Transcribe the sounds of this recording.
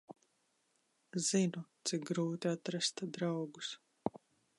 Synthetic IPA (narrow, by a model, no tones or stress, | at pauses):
zinut̪sik̚ɡɾuːt̪iat̪ɾast̪ad̪ɾawɡus